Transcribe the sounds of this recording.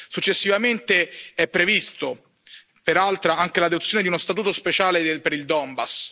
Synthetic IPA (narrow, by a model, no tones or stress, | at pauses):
sut͡ʃːesːivament̪eɛpːɾevist̪o | peɾalt̪ɾaaŋk̟elad̪ot̪sːjoːned̪iunost̪at̪uːt̪ospet͡ʃaːlepeɾild̪ɔmbas